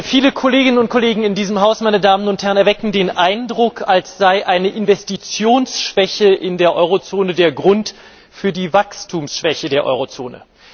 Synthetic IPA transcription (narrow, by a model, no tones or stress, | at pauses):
fiːləkʰɔleːɡɪnənʊnt̚kʰoleːɡŋ̩ɪndiːzəmɦaʊsmaɪnədaːmənʊnthɛʁənɛɐvɛkŋ̩deːnʔaɪndʁʊkʰalsz̥aɪʔaɪnəʔɪnvɛstit͡sjoːnsʃv̥ɛçəʔɪndeːɐʔɔʏʁ̞ot͡soːnədeːɐɡʁʊnt | fyːɐdiːvakstʰuːmsʃv̥ɛçədeːɐʔɔ̰ʏʁot͡so̰ːnə̰